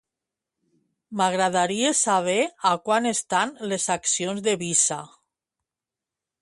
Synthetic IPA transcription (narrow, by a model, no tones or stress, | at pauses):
maɣɾaðaɾiesaβ̞eakwanest̪anlezaksionzðeβisa̰